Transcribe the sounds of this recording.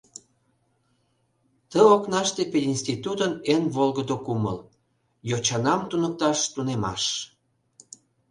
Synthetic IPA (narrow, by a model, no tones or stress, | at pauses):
t̪əoknɑʃt̪epelinsʲt̪it̪ut̪ənenβolɣəd̪okumə̰l | jot͡ɕɑnɑmt̪unək̚t̪ɑʃt̪unemɑ̰ʃ